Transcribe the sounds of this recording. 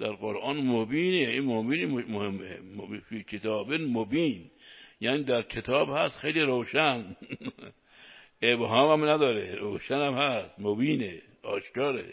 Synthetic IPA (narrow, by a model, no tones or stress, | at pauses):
d̪̥æɾɣoɾʔɑːnmobiːneiːnmobiːnmohemːḛmfikʰet̪ʰɒːbenmobiːnjæːniːd̪æɾkʰet̪ʰɒːbhæst̪xejliːɾowʃæn | ʔebɦɒːmæmnæd̪ɒːɾeɾoːʃænæmhæst̪mobiːne | ɒːʃkɒːɾḛ